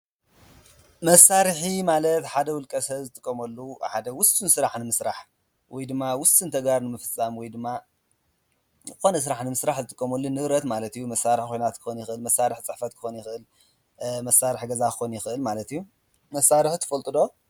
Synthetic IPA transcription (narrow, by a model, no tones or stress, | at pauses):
mɐsːaɾħimalɐt̪ħad̪ɐwʊlkʼɐsɐzɨt̪ʼɨkʼːɐmɐlːuħad̪ɐwʊst̪ʼɨnsɨɾaħnɨmɨsɾaħ | wɔjd̪ɨmːawʊst̪ʼɨnt̪ʰɐɡaɾnɨmɨfɨt͡sʼːamwɔjd̪ɨmːa | ɨxo̞nɐs̬ɨɾaħnɨmɨsɾaħzɨt̪ʼɨkʼːɐmɐlːunːɨβɾɐt̪malɐt̪ijːumɐsːaɾɨħkʰo̞jnat̪kʰɨ̥xonjɪxɨlmɐsːaɾɨħt͡sʼɨħfɐt̪kʰɨ̥xonjɪxʔɨl | mɐsːaɾɨħɡɐzakʰɨxonjɪxɨʔɨlmalɐt̪ijːu | mɐsːaɾɨħt̪ʰɐ̥fɐlt̪ʼɨd̪o̞